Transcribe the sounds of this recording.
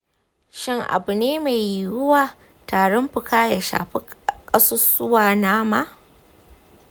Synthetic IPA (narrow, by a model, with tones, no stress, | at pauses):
ʃɪ˦ŋʔa̰˨bu˨neː˦ma˨jjʊ˦waː˨ | taː˨ɽɔ˦mɸʊ˨kaː˦ja˨ʃa̰ː˨ɸi˦kʼɐ˦so˦sʊ˦waː˨naː˦maː˦